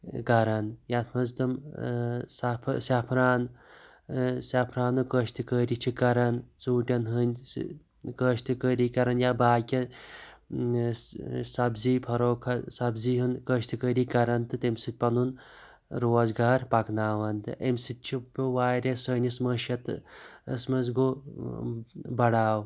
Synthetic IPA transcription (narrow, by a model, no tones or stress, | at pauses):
kɐɾɐnjat̪ʰmɐzt̪ɨm | sɐpʰsʲɐpʰɾaːn | sɐpʰɾaːnukəːʃt̪ɨkəːɾit͡ʃʰikɐɾɐnt͡suːʈʲɐnɦɨn̰ʲ | kəːʃt̪ɨkəːɾiːkɐɾɐnjabaːkʲɐ | sɐbziːpʰɐɾoːkʰɐsɐbziːɦɨnkəʃt̪ɨkəːɾiːkɐɾɐnt̪ɨt̪emsɨt̪̚ʲpɐnun | ɾoːzɡaːɾpɐknaːʋɐnt̪ɨʔemsɨt̪̚ʲt͡ʃʰipʋaːɾʲɐsəːnʲismɐʃɐt̪ɨəsmɐzɡo | bɐɽaːw